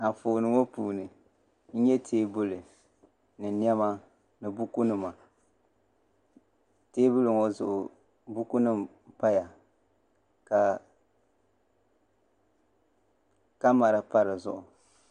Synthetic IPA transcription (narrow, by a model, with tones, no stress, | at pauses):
a˨foː˨nɨ˨ŋo˦puː˨nɨ˨ | n̩˦ɲɛ˦tʰeː˦bʊ˦lɨ˨ | nɨ˨ni˦ɛ˦ma˦ | nɨ˨bu˦ku˦nɨ˦ma˨ | teː˦bʊ˦lɨ˨ŋo˦zʊ˨ʔʊ˨ | bu˦ku˦nɨ˦m | pa˦ja˨ | ka˨ | ka˦ma˨ɾa˨pa˦ɾɨ˨zʊ˦ʔʊ˨